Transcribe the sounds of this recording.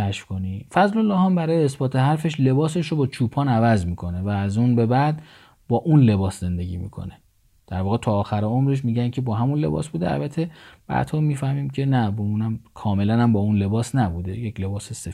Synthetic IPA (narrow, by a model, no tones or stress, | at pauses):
æʃfko̞nifæzlolːɒːhæmbæɾɒːjeesbɒːt̪ʰe̞ɦæɾfe̞ʃle̞bɒːseʃɾobɒːt͡ʃʰuːpʰɒːnævæzmiːkʰo̞ne̞væːzuːnbe̞bæd̪ | bɒːʔunle̞bɒːsze̞nd̪e̞ɟʲḭːmḭːkʰo̞̰ne | d̪̥æɾvɒːɣet̪ʰɒːxæɾeomɾeʃ̬miːɟæncʰe̞bɒːɦæmunle̞̰bɒ̰ːsbuːd̪eæ̰lbæt̪ʰːeb̥æ̰d̪hɒːmiːfæhmiːmcʰe̞næbeunæmkʰɒːme̞lænæmbɒːunle̞bɒːsnæbuːd̪ejecʰle̞bɒːsese